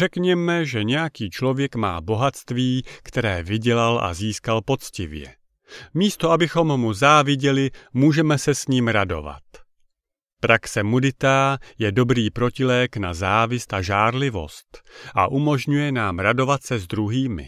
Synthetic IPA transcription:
ʒ̥ɛkɲɛmɛʒɛɲɛjakiːt͡ʃlo̞vjɛkma̰ːbo̞ɦat̪st̪viːkt̪ɛɾɛːvɪɟɛlalʔa̰ziːskalpo̞t͡scɪvjɛ̰ | miːst̪o̞ʔabɪxo̞mːuzaːvɪɟɛlɪmuːʒɛmɛsɛsɲiːmɾado̞̰va̰t̪ | pɾaksɛmudɪt̪aːjɛdo̞bɾiːpɾo̞cɪlɛːknazaːvɪst̪ʔaʒaːɾlɪvo̞̰st̪ʔa̰ʔumo̞ʒɲujɛnaːmɾado̞vat̪sɛzd̪ɾuɦiːmɪ̰

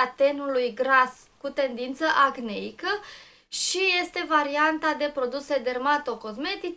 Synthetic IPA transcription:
at̪e̞nulujɡɾas | kut̪e̞nd̪int̪səʔaɡneikə | ʃije̞st̪e̞vaɾiant̪ad̪e̞pɾo̞d̪use̞d̪e̞rmat̪o̞ko̞zme̞t̪i

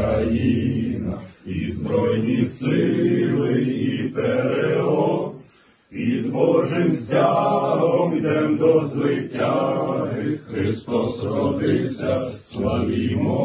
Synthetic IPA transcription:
ɐjinɐizbɾɔjnʲisɪlˠɪipɛɾeɔ | pʲid̪bɔʒɪmsʲtʲaɦɔmid̪ɛmd̪ɔzʋɪtʲːaɦɪxɾɪst̪ɔsɾɔd̪ɪwsʲɐslɐmʲimɔ

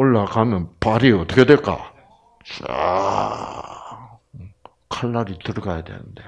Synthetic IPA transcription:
oɭːakamjʌnpaɾiʌt͈ʰʌ̥kʰedwek͈a̰ | t͡ɕa̰ | kʰaɭːaɾitɯɾʌɡajadwḛnɯnde̞

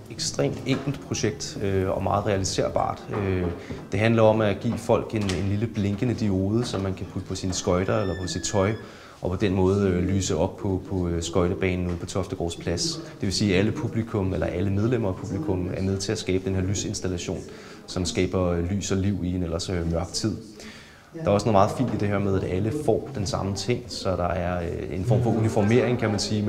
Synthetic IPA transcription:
eɡ̥sd̥ʁḛːmd̥eŋ̰ɡ̥l̩d̥̚pʰʁo̝ɕeɡ̥̚d̥øɒ̽mɑ̈ːð̩ˠʁɛælise̝̰ɐ̰b̥ɑ̰̈ːd̥ød̥e̝ɦænlɐɒ̽mæɡ̥ḭːfɒ̽l̰ɡ̥e̝ne̝nliləb̥le̝ŋɡ̥ənəd̥io̝ːð̞ˠəsɒ̽mːænkʰæpʰud̥ə̥pʰɒ̽sinsɡ̥ɒ̽ɪɾ̥ɐelɐpʰɒ̽sid̥̚t͡sʰɒ̽ɪ | ʔɒ̽pʰɒ̽d̥enmɔ̽ːð̞̩ˠly̰ːsəɒ̽b̥̚pʰɒ̽pʰɒ̽sɡ̥ɒ̽ɪɾ̥ɐb̥ɛ̰ːnn̩uð̞̩̰ˠpʰɒ̽t͡sʰɒ̽fd̥əɡ̥ɒ̰ːspʰlæsd̥e̝ʋe̝siːæləpʰub̥likʰɔ̽melɐʔæləmeð̞ˠlem̰ɐːpʰub̥likʰɔ̽mæɐmeðˠt͡sʰe̝æsɡ̥ɛːb̥d̥enhe̝ɐlyːse̝nsd̥ælæɕo̝̰ːn | sɒ̽msɡ̥ɛ̰ːb̥ɐly̰ːsɒ̽liʊ̰ienelɐsømɶɐɡ̥t͡sʰið̞̰ˠ | d̥ɑ̈ɐæɒsnoːð̩ˠmɑ̈ːð̩ˠfḭːnd̥id̥e̝heɐmeð̞ˠæd̥æləfɒ̰ːd̥ensɑ̈mət͡sʰe̝ŋ̰sɒ̽d̥ɑ̈æɐe̝nfɒ̰ːmfɒ̽unifɒme̝ɐeŋkʰæmænsiːm

